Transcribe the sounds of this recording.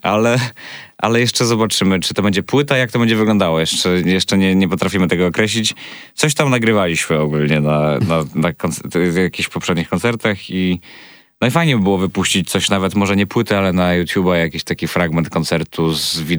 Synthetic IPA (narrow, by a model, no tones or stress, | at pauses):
alɛʔa̰lɛjɛʂt͡ʂɛzɔbat͡ʂɘmɘt͡ʂɨ̥t̪ɔbɛɲd͡ʑɛpwɘt̪aijak̚t̪ɔbɛɲd͡ʑɛvɘɡlɔ̃nd̪awɔjɛʂt͡ʂɛjɛʂt͡ʂɛɲɛɲɛpɔt̪ɾafʲimɘt̪ɛɡɔːkɾɛɕlʲit͡ɕt̪sɔɕt̪amnaɡɾɘvalʲiɕmɘɔɡulɲɛnananakɔnt̪sjakʲiɕpɔpʂɛd̪ɲixkɔnt̪sɛɾt̪axi | nɔifajɲɛbɘbɘwɔvɘpuɕt͡ɕit͡ɕt̪sɔɕnavɛt̪mɔʐɛɲɛpwɘt̪ɘalɛnajut̪ʲjubajakʲiɕt̪akʲifɾaɡmɛnt̪̚kɔnt̪sɛɾt̪ʰuzvʲi